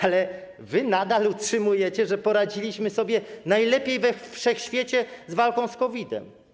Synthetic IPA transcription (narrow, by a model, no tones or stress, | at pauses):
alɛ | vɘnad̪alutʂɘmujɛt͡ɕɛʐɛpɔɾad͡ʑilʲiɕmɘsɔbʲjɛnajlɛpʲjejvɛfʂɛxɕfʲjet͡ɕɛzvalkɔ̃w̃skɔvʲid̪ɛ̰m